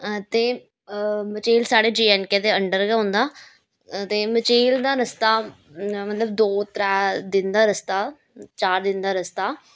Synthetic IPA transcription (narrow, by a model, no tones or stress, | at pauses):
t̪eː | mət͡ʃeːlsaːɽeːd͡ʒiːɛːnkeːd̪eːəɳɖəɾɡɛːɦõnd̪aː | t̪eːmət͡ʃeːld̪aːɾəst̪aː | mət̪ləbd̪oːt̪ɾɛːd̪ɪnd̪aːɾəst̪aː | t͡ʃaːɾd̪ɪnd̪aːɾəst̪aː